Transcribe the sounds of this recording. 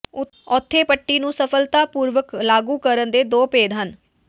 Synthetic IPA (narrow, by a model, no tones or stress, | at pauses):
ɔːt̪ʰːeːpəʈːiːnũːsəpʰəlt̪aːpuːɾʋəklaːɡuːkəɾənd̪eːd̪oːpeːd̪ɦən